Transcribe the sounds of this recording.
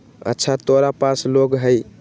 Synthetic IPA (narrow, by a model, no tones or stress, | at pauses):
ɐ̰t͡ʃʰatɔɾapasloɡɦəj